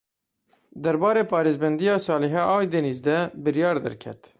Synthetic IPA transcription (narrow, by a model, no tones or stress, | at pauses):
d̪ɛɾbɑːɾeːpʰɑːɾeːzbɛnd̪ijɑːsɑːlɛɦɛːʔɑːwjd̪enizd̪ɛbɨɾjɑːɾd̪ɛ̰ɾkʲʰɛ̰t̪